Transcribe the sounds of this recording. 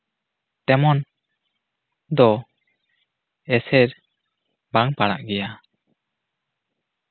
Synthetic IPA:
ʈɛmɔn | d̪ɔ | ɛsɛɾ | baŋpaɽa̰ʔɡɛja

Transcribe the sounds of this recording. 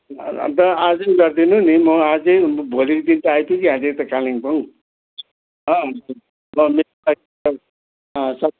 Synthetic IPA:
t̪ʌad͡zʌjɡʌrd̪inunimʌad͡zʌjbʱolikʌd̪int̪ʌajt̪ʰjukiɦãd͡zejt̪ʌkaliŋpʌŋ̃ | ʌ̃ɦʌn | mʌme | a | ʌ | ʌ̃sʌ

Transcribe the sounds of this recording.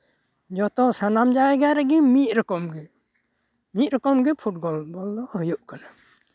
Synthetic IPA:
d͡ʒɔt̪ɔsanamd͡ʒaɛɡaɾɛɡimit̪̚ˀɾɔkɔmɡɛ | mit̪̚ɾɔkɔmɡɛpʰuʈ̚bɔlbɔld̪ɔhɔjuʔkana

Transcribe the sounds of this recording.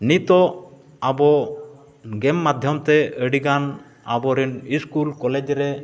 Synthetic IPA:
nit̪ɔ | abɔ | ɡɛmːad̪ʱjɔmt̪ɛəɽiɡan | a̰bɔɾiniskulkɔled͡ʒɾɛ

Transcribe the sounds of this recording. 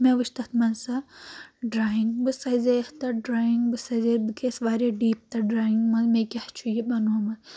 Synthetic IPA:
meʋɨʃt̪ɐt̪mɐnsɐ | ɖɾaːiŋɡbɨsɐzeht̪ɐɖɾaːiŋɡbɨsɐzebɨkʰeːsʋaːɾʲeɖiːp̚t̪ɐɖɾaːiŋɡmɐzmekʲɐht͡ʃʰujibɐnuːmɐn

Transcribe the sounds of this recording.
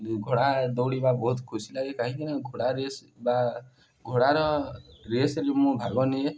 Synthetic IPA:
ɡʱoɽad̪ɔwɽibabɔut̪kʰusilaɡekaɦĩkinaɡʱoɽaɾes | ba | ɡʱoɽaɾʌɾesɾemũbʱaɡɔne

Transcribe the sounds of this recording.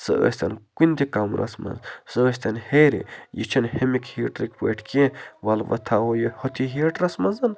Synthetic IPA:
sɨ̰ə̰sʲt̪ɐnkunʲd̪ikamɾʔɐ̰smɐ̰nzsɨəs̬ʲt̪ɐnheːɾḭjit͡ʃʰɐnhemikhiːʈɾikpḛːʈʰkẽʋɐlʋɐ̰t̪ʰaojohot̪ʰiɦiːʈɾɐsmɐnzɐn

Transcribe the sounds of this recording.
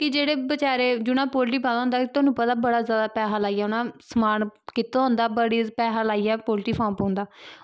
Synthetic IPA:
kɪd͡ʒeːɽeːbət͡ʃaːɾeːd͡ʒʊnãːpoːlʈiːpãːd̪ãːõnd̪aːkt̪ʊːnũːpət̪aːbəɽaːzjaːd̪aːpɛːɦaːlaːiːɛːʊnãːsəmaːnkɪt̪õːɦõːnd̪aːbəɽiːpɛːɦaːlaːiːɛːpoːlʈiːpʰãːmpõːnd̪aː

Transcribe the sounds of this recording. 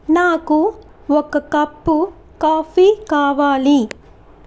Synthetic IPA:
naːku | ɔkːɐkɐpːu | kaːfikaːʋaːli

